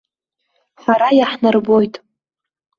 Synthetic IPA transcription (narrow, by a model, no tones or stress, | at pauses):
ħʷaɾajaħnarbo̞jtʼ